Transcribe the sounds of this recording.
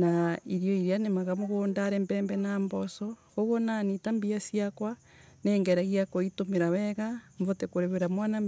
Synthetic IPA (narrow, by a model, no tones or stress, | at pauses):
naiɾjoiɾjanemaɣamoɣoːndaɾembeːmbenaːmbosokoɣonanitambiasiakwa | neːŋɡeɾaɣiakoitomeɾaweɣaɱvotekoɾeβeɾamwana